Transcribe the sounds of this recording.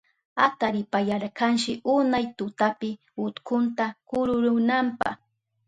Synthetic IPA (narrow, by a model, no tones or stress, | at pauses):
at̪aɾɪpajaɾkanʃɪʔʊnajt̪ʊt̪apɪ | hʊt̪kʰʊnt̪akʊɾʊɾʊnampɑ̰χ